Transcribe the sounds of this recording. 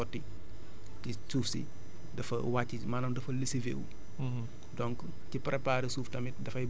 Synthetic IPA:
ɔtːi | tisuːfsḭ | dɐfɐwaːcːimaːnɐmdɐfɐlisivḛːwṵ | dɔŋk | cipɾɛpaːɾisuːftɐmidɐfɐj

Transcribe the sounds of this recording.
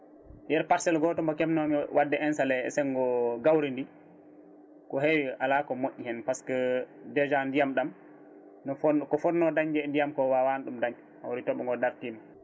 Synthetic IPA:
jɛɾpaɾsɛlɡɔtɔmɡɔkɛmnɔmiwadːɛɛnsalɛɛ̰sɛnɡɔɡawɾindi | kɔɦewiʔalakɔmoʔːihɛnpaskɛdɛd͡ʒandijamɗam | nɔɔkɔfɔnnɔdaɲd͡ʒɛndijamkɔwawanɗumdaɲ | ha̰wɾitɔɓɔŋɡɔdaɾtiːma

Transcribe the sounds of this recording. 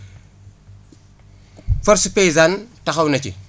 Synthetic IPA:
fɐɾspejzantɐxɐwnɐt͡ʃḭ

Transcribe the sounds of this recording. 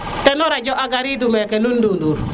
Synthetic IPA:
tɛnɔɾad͡ʒɔʔaɡaɾidumɛkɛlundunduɾ

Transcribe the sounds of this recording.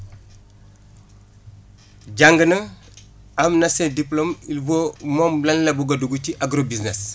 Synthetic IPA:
ɟaŋɡənə | amnɐsɛdiplomilvomɔmlɐnlɐbuɡɐduɡuciʔaɡɾobisnes

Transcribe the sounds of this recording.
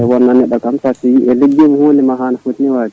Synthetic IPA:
ɛwɔnːanɛɗɔkamtasijiʔɛleɡːemuhonimaɦanafotiniwaːdi

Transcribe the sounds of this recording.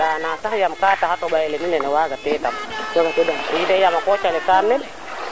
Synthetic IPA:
aːnasahjamkaːtahatɔɓajɛlɛminɛnɛwaɡatɛtamnɔɡat͡ʃodɔmjidɛjamakɔt͡ʃalɛkaɾnɛn

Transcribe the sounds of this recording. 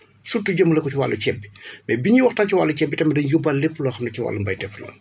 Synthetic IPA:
sutːuɟəmːulɐkɔciwa̰lːucɛbi̥mɛbiɲiwɐxtaːnciwalːucɛbːitɐmɐdɐnjubɐlːepːlɔːxɐmnɐciwa̰ːlːumbɐjdɛflɐ̰

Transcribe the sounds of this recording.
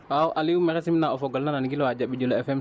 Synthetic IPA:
wawʔaliwumɛxɛsimnaɔfɔɡɔlnananɡilɔwad͡ʒaɓid͡ʒulɔɛfɛm

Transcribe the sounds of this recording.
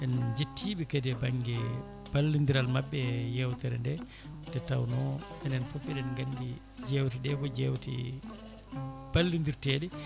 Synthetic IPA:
ʔɛnd͡ʒetʰːiːɓikadɛbaŋɡɛ | b̥alːind̪iɾalmabːɛjɛwtɛɾɛ̰ndɛ | d̥ɛtːa̰wnɔɛnɛnfofiɗɛnɡandi | d͡ʒɛwtiɗɛkɔd͡ʒɛwtḭ | b̥alːind̪iɾtɛːɗɛ

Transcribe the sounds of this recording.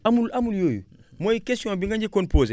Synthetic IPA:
amulamuljoːjṵ | mojikestiõmbiŋɡaɲɟikonpoːze

